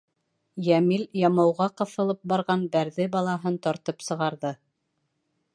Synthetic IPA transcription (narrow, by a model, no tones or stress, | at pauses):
jæmiljɑmɑwʁɑqɤ̆θɤ̆lˠɤp̚bɑɾʁɑnbæɾðɘbɑlˠɑɦɤnt̪ɒɾt̪ɤpsɤ̆ʁɑɾðɤ